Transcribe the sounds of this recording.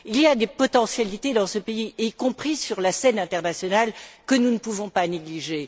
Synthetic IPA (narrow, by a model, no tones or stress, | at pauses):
iliad̪epɔt̪ɑ̃sjalit̪ed̪ɑ̃səpeikɔ̃pχisyʁlasɛnɛ̃t̪ɛʁnasjɔnalkənunəpuvɔ̃paneɡliʒe